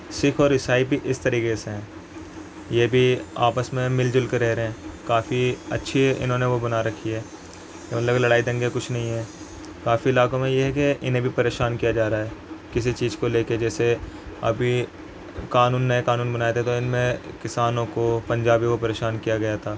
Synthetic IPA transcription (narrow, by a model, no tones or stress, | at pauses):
sɪkʰɔːɾɪsaːibʱiʔɪst̪ɐɾiːkeseɦɛ̃ː | jebʱia̰ːpəsmẽmɪld͡ʒʊlkeɾɛɦɾɦɛ̃ːkaːfiɐ̰tːʃʰiɪ̰nɦõːneʋobɐnaːɾɐkʰːiɦɛː | jemɐt̪ləbkelɐɽaːid̪ɐ̃ŋɡekʊt͡ʃʰnɐɦĩɦɛː | kaːfiɪlaːkõmẽjeɦɛkeɪnɦẽbʱipɐɾeːʃaːnkijad͡ʒaːɾaɦɛːkɪs̬it͡ʃiːzkoleːked͡ʒɛːseɐ̰bʱi | kaːnuːnːɐekaːnuːnbɐnaːjet̪ʰɛt̪oɪnmẽkɪsaːnõkopɐ̃ɲd͡ʒaːbikopɐɾeːʃaːnkijaɡɐjat̪ʰaː